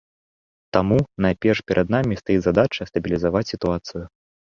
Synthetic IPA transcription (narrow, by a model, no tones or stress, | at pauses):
t̪amunajpʲɛrʂpʲɛɾʔɐd̪namʲist̪ajizad̪at͡ʂɐst̪ɐbʲilʲizavat͡sʲsʲit̪uat̪sɨjʊ